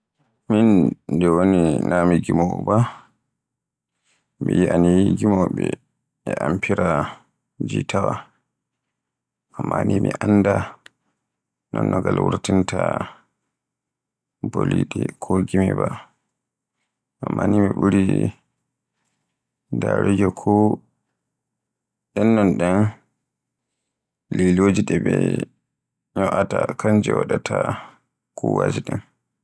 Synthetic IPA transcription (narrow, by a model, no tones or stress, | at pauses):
mindɛwoninamiɡimɔba | mijiʔanijiɡimɔɓɛ | ɛʔampʰiɾa | d͡ʒitawa | ʔamːanimiʔanːda | nɔnːɔɡalwuɾtinta | boliɗɛkʰoɡimiba | ʔamːanimiɓuɾi | daɾɔd͡ʒɔkʰɔ | ɛnːɔnɗɛn | lilod͡ʒiɗɛbɛ | ɲɔʔatakaɲd͡ʒɛwaɗatʰa | kuwad͡ʒiɗɛn